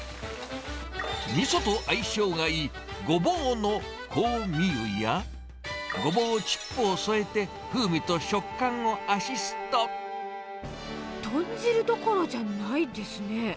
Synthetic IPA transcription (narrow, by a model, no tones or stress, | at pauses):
mʲisot̪o̞ʔaiɕo̞ːɡai | ɡo̞boːno̞ | kʰoːmʲiɯ̟ja | ɡo̞boːt͡ɕi̥pːoːso̞e̞t̪e̞ | ɸɯ̟ːmʲit̪o̞ɕo̞kːãŋo̞aɕisɨ̥t̪o | t̪õɲd͡ʑiɾɯ̟d̪o̞ko̞ɾod͡ʑanaid̪e̞sɨne